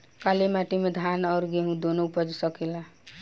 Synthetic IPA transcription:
kalemaʈimed̪ʱanʌɾɡeɦũd̪onopəd͡ʒsʌkela

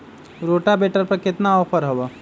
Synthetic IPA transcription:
ɾoːʈabeʈəɾpəɾkɪt̪naɔpʰəɾɦəba

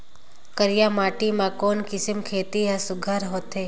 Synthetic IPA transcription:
kəɾjamaʈimãkoːnkɪsəmkʰet̪iasʊɡʱaɾɦot̪e

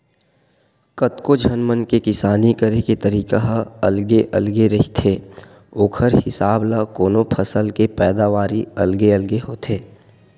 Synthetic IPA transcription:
kət̪kod͡ʒʱənmənkekɪsaːnikəɾeket̪əɾiːkaɦɐlɡeʔəlɡeɾɐɦit̪ʰeː | oːkʰəɾhɪsaːblakoːnopʰəsəlkepɛːd̪aʋaːɾiɐlɡeəlɡeɦoːt̪ʰeː

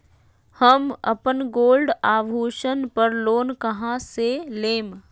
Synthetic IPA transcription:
həmə̰pənɡoːlɖaːʋɦuːʃənpəɾloːnkɐɦãseleːm

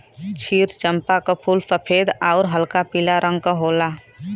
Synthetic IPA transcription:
t͡ʃʰiːɾt͡ʃə̃mpakapʰuːlsəpʰeːd̪aːɾɦəlkapiːlaɾʔə̃ŋɡ̚kaɦoːlaː

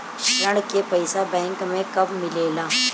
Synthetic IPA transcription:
əɽkepɐɪsabɛ̃ːŋkmẽkɐbmɪleːlaː

